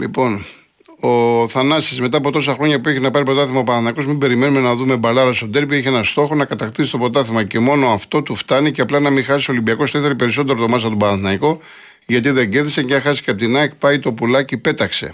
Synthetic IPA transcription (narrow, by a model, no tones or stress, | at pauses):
lḭpo̞n | oθɐnɐsisme̞t̪ɐːpo̞t̪o̞sɐxɾo̞ɲɐpueçinɐpɐɾipɾo̞t̪ɐθimɐopɐnɐθnɐiko̞zmimbe̞ɾime̞nume̞nɐðume̞bɐlɐɾɐst̪od̪e̞ɾpieçeenɐst̪o̞xo̞nɐkɐt̪ɐkt̪isit̪o̞pɾo̞t̪ɐθimɐce̞mo̞noɐft̪o̞t̪uft̪ɐniceɐplɐnɐmixɐsiso̞limbiɐko̞st̪oiθeipe̞ɾiso̞t̪e̞ɾot̪o̞mɐs̬ɐt̪obɐnɐθnɐiko̞ | ʝɐt̪iðe̞ɟeθðisecɐxɐsi̥ceɐp̚t̪inɐkpɐit̪o̞pulɐcipe̞t̪ɐkse̞̰